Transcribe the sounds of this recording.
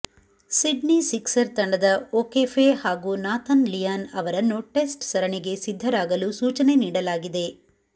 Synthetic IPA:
siɖnisiksɐɾt̪ɐɳɖɐd̪ɐoːkeːfʰehaːɡunaːt̪ʰɐnlijaːnɐʋɐɾɐnːuʈesʈsɐɾɐɳiɡe̞sid̪ʱːɐɾaːɡɐlusuːt͡ʃɐne̞niːɽɐlaːɡid̪e̞

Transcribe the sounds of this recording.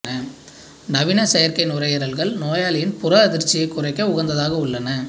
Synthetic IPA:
ɐ | nɐʋɪnɐsɛjɐɾkɐɪnʊrɐjɐɾɐlɣɐɭnoːjaːlɪjɪnpʊrɐɐðɪɾt͡ʃːɪjɐɪkːʊrɐɪkːɐʊɣɐɾnd̪ɐðaːɣɐʊɭːɐnɐ

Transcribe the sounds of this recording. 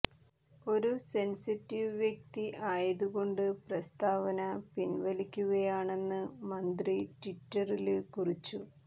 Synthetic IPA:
o̞ɾusensitːiʋʋjɐk̚t̪iʔaːjɐðuɣo̞ɳɖɨprɐst̪aːʋɐnɐpinʋɐlikʲːuɣɐjaːɳe̞nːɨmɐnd̪ritwiʈːɐrilkurit͡ɕːu

